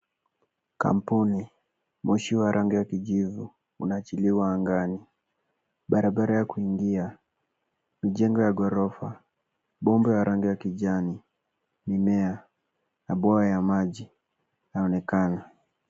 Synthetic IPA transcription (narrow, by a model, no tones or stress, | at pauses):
ka̰m̩puni | muʃiwaɾʔaŋɡijakiʄivu | ṵnaːt͡ʃiliwaːŋɡani | ɓaɾaɓaɾajakuiŋɡia | miʄɛŋɡɔjaɡɔɾɔfa | ɓɔmbɛwaɾʔaŋɡijakiʄani | mimɛa | naɓɔajamaʄi | naɔnɛkana